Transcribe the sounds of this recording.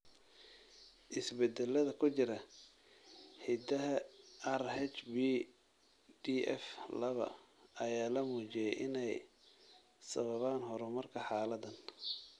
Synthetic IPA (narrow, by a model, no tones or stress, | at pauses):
ʔɪsbɛd̪ɛlɐðɐkʰʊt͡ʃɪɾɐ | ħɪd̪ɐɦɐɐrhɛt͡ʃbi | d̪iʔɛ̰flɐβɐ̰ɐjaːlɐmuːt͡ʃɪjɛjʔɪnɛj | sɐβɐβaːnɦɔɾɛmɐrkʰɐħɑːlɐd̪ɐn